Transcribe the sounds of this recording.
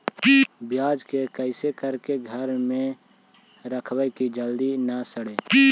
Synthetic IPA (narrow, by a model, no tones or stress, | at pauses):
bjaːd͡ʒkekəɪsekəɾkeɡʱəɾmẽ | ɾəkʰwəjkid͡ʒəld̪inəsəɽeː